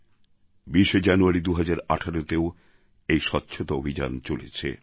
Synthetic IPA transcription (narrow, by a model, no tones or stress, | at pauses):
biʃed͡ʑanuaɾid̪uɦad͡ʑaɾa̰ʈʰaɾot̪eo | ejʃɔtːɕʰot̪oobʱid͡ʑa̰nt͡ɕolḛt͡ɕʰḛ